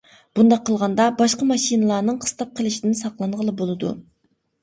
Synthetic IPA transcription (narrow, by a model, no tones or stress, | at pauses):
b̥und̪ɑqʰːəlˠʁɑnd̪ɑbɑʃqɑmɑʃinɨlˠɑɾnɨŋqʰə̥st̪ɑp̚qʰəlˠɪʃid̪ɪnsɑqlˠɑɴʁəlˠɨbolˠɨd̪ṵ